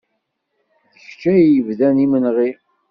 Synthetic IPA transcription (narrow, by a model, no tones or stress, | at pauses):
θəçt͡ʃːæjəvðænimənʁi